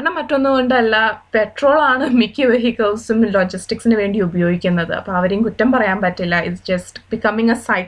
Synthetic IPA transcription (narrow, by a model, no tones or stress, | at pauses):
ɐɳːɐmɐtːo̞nːuko̞ɳɖɨɐlːɐpeʈro̞ːɭaːɳɨmikʲːiʋeɦikːɐlsumloːd͡ʑisʈiksinɨʋe̞ːɳɖiubɐjo̞ːɡikʲːunːɐðɨ̰ɐ̰pːoːɐʋɐɾejumkutːɐmpɐrɐjaːmpɐtːilːɐḭsd͡ʑɐsʈbikɐmiŋɐsɐjʈ